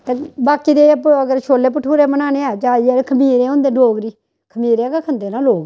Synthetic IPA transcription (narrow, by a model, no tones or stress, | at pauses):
t̪eːbaːkiːd̪eːpəɡəɾʃʰoːlːeːp̬əʈʰːuːɾeːmənaːneːaːd͡ʒaːiːɛkʰəmiːɾẽːɦõːnd̪eːɖoːɡɾiː | kʰəmiːɾeɛːkakʰənd̪eːnãːloːɡ